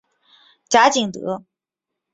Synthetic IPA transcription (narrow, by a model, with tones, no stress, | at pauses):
ʈ͡ʂa˥t͡ɕi˨˩ŋt̪ɤ̰˧˥